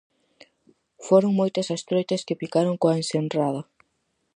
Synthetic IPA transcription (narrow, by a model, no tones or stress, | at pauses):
foɾoŋmojt̪ɐsɐst̪ɾojt̪ɐskɪpikaɾoŋkoaensenraðɐ